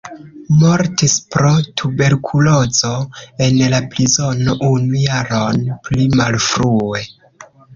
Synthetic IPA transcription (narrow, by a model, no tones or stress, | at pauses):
moɾtispɾo̞tʰube̞ɾkʰulozoe̞nlapɾizo̞noʔunujaɾonplimalfɾue̞